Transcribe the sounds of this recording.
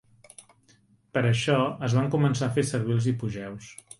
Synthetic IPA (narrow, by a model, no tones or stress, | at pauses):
pəɾəʃɔəzβaŋkumənsafesəɾβ̞ilˠzipuʒɛws